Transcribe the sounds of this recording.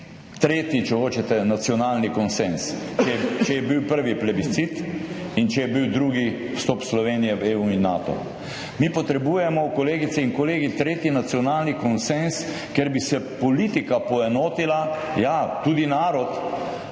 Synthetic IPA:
t̪ɾeːt̪jit͡ʃɛxoːt͡ʃɛt̪ɛnat̪siɔnaːlnikɔnsens | t͡ʃɛt͡ʃɛjɛbiwpəɾʋiplɛbit̪sit̪int͡ʃɛjɛbiwd̪ɾuːɡi | wst̪ɔpslɔʋeːnijɛʋeuinːa̰t̪ɔ̰ | mipɔt̪ɾɛbuːjɛmɔkɔleːɡit̪ɛinkɔleːɡit̪ɾeːt̪jinat̪siɔnaːlnikɔnsens | keɾbisɛpɔlit̪ikapɔɛnoːt̪ilajat̪ud̪inaːɾɔt̪

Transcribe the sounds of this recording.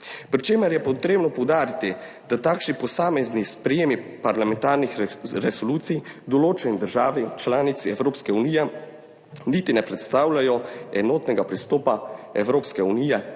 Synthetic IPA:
pɾit͡ʃeːməɾjɛpɔt̪ɾeːbnɔpɔwd̪aːɾit̪i | d̪̥at̪aːkʃnipɔsaːmɛznispɾɛjeːmipaɾlamɛnt̪aːɾnixɾɛsoluːt̪sijd̪ɔloːt͡ʃɛnid̪əɾʒaːʋit͡ʃlaːnit̪siɛwɾoːpskɛunijɛ | nit̪inɛpɾɛt̪st̪aːwlajɔɛnoːt̪nɛɡapɾist̪oːpaɛwɾoːpskɛunijɛ

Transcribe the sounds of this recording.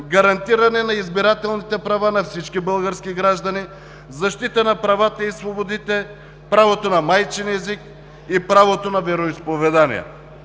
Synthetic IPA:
ɡɐɾɐnt̪iɾɐnɛnaizbiɾat̪ɛlˠnit̪ɛpɾavanafsit͡ʃkibəlˠɡəɾskiɡɾaʒd̪ɐni | zɐʃt̪it̪ənapɾavat̪əisvobod̪it̪ɛ | pɾavot̪onamajt͡ʃɛnɛzik | ipɾavot̪onavɛɾoispovɛd̪anḭja̰

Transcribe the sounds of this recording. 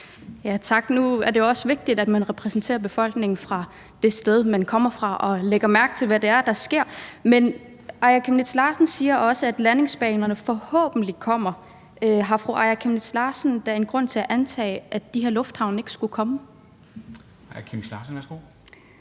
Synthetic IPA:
jæt͡sʰɑ̈ɡ̥nuæɐd̥e̝joɒ̽səʋe̝ɡ̥̚d̥id̥æd̥mænʁɛpʰʁɛsn̩t͡sʰe̝̰ːɐb̥e̝fɒ̽l̰ɡ̥ne̝ŋn̩fʁɑ̈ | d̥e̝sd̥eð̞ˠmænkʰɒ̽m̰ɐfʁɑ̈ʔɒ̽leɡ̥ɐmæɐɡ̥̚t͡sʰe̝lʋæde̝æɐd̥ɑ̈sɡ̥e̝ɐ̰men | ʔɑ̈ɪɐkʰemnid̥slɑ̈ːsn̩siːɐʔɒ̽səæd̥læne̝ŋsb̥ɛ̰ːnɐnəfɒ̽hɔ̰̽ːb̥n̩likʰɒ̽m̰ɐ | øɦɑ̈fʁoʔɑ̈ɪɐkʰemned̥slɑ̈ːsn̩d̥æe̝nɡ̥ʁɔ̽n̰t͡sʰe̝æʔænt͡sʰɛ̰ːɪʔæ̥d̥iheɐ̰lɔ̽fd̥hɑ̈ʊne̝ɡ̥sɡ̥ukʰɒ̽mə | ɑkʰemslɑ̰ːsn̩ʋæɐsɡ̥o̰

